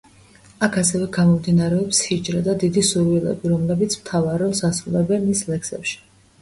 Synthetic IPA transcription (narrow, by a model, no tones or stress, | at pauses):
akʰasɛvɛɡamɔmd̪inaɾɛɔpsid͡ʒʼɾad̪ad̪id̪isuɾwilɛ̰biɾɔmlɛbit̪sʰmt̪ʰavaɾɔsasɾulɛbɛnmislɛksɛ̰pʃi̥